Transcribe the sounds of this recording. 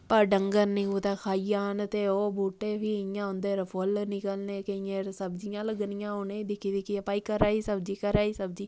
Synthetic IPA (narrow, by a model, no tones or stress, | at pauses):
pəɾɖəŋɡəɾnĩːɡuːt̪aːkʰaːijaːnt̪eːoːbʱuːʈːeːʋiːɪjãːõnd̪eːɾəpʰolnɪkəlneːkəijẽːɾsəbd͡ʒɪjãːləɡnɪjãːoːneːd̪ɪkʰːid̪ɪkiəpaːiːkəɾaːiːsəb̚d͡ʒiːkəɾaːiːsəbd͡ʒiː